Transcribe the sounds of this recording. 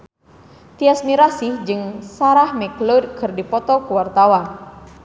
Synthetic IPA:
t̪iasmiɾasihd͡ʒɨŋsaɾahmɛklod̚kərdipɔt̪ɔkuwart̪awan

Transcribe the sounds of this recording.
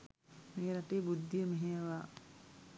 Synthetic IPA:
meːɾaʈeːbud̪ːijəmeɦejʋaː

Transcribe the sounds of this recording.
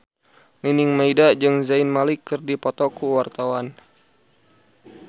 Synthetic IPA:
ninɪŋmaidad͡ʒɨŋzainmalikːɨrdipɔt̪ɔkuwart̪awan

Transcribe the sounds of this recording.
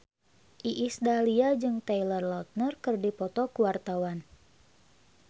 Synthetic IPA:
ʔiʔːsdaliad͡ʒɨŋt̪ɛilərlɔt̪̚nərkɨrdipɔt̪ɔkuwart̪awan

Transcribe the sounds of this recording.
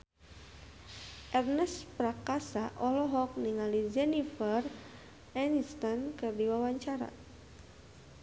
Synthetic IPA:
ʔɛrnɛspɾakasaʔɔlɔɦɔk̚niŋalid͡ʒɛnifər | ɛnist̪ankɨrdiwawaɲt͡ʃaɾa̰

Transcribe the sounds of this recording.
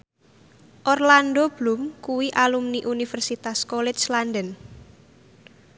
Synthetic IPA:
ʔɔrlandob̥lʊmkuwiʔalumniʔunifərsit̪askɔlɛt͡ʃlandən

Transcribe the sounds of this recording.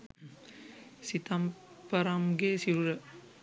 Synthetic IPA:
sit̪ɐm | pɐɾɐmɡesiɾuɾɐ

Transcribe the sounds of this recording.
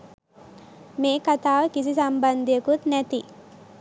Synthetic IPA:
meːkɐt̪aːʋkis̬isɐmbɐnd̪ʱekut̪nɐt̪i

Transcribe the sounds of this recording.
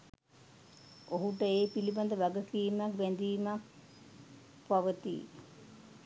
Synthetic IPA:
oɦuʈəeːpiliband̪əʋæɡəkiːmak̚ʋɛnd̪iːmak̚ | paʋət̪ḭ

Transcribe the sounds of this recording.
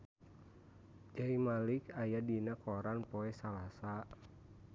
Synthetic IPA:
d͡ʒaimalikajadinakɔɾanpɔɛsalasa

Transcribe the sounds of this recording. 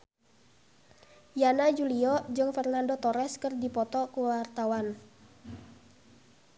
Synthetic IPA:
janad͡ʒuliɔd͡ʒɨŋfɛrnandot̪ɔɾɛskərdipɔt̪ɔkuwart̪awan

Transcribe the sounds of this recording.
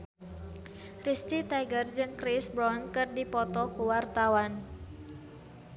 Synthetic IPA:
rist̪it̪aɡərd͡ʒɨŋkɾisbɾɔnkɨrdipɔt̪ɔkuwart̪awan

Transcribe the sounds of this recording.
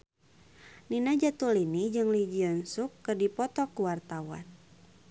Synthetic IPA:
ninad͡ʒat̪ulinid͡ʒɨŋlid͡ʒiənsukːɨrdipɔt̪ɔkuwart̪awa̰n

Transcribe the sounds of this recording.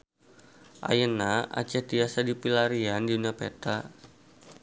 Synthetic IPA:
ʔa̰jənaa̰t͡ʃɛhdiasadipilaɾiandiduniapɛt̪a

